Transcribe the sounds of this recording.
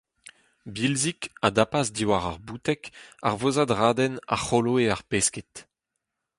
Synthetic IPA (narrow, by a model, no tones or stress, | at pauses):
bilzikad̪apazdiwaʁa̰ʁbuːt̪ɛka̰ʁvozad̪ʁaːd̪ɛna̰χoloeaʁpesket̪